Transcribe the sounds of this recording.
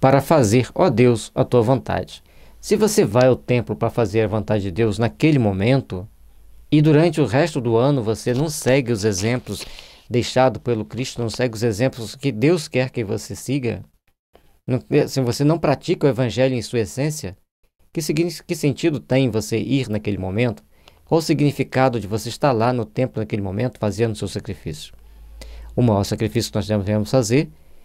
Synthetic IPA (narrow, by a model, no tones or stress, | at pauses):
paɾɐfazeɾɔd̪ewsɐt̪uɐvõnt̪a̰d͡ʒɪ̥ | sɪvosevajʊt̪ẽmplʊpɾɐfazeɾɐvõnt̪ad͡ʒɪd͡ʒɪd̪ewznakelɪmõmẽnt̪ʊ | ɪd̪uɾɐ̃nt͡ʃɪʊʁɛst̪ʊd̪ʊɐ̃nʊvosenɐ̃w̃sɛɡɪʊzezẽmplʊs | d̪ejʃad̪ʊpelʊkɾist̪ʊnɐ̃w̃sɛɡɪʊzezẽmplʊskɪd̪ewskɛɾkɪvo̰sesiɡɐ̰ | nɐ̃sĩvosenɐ̃w̃pɾat͡ʃikɐʊevɐ̃ʒɛljʊẽj̃suɐesẽsiɐ | kɪskɪsẽnt͡ʃid̪ʊt̪ẽj̃voseʔiɾnɐkelɪmõmẽnt̪ʊ̥ | kwawsiɡnifikad̪ʊd͡ʒɪvoseist̪aɾlanʊt̪ẽmplʊnakelɪmõmẽnt̪ʊ̥fazẽnd̪ʊsewsakɾifisjʊ̥ | ʊmajɔɾsakɾifisjʊkɪnɔzd̪ẽmzvẽmʊsfazeɾ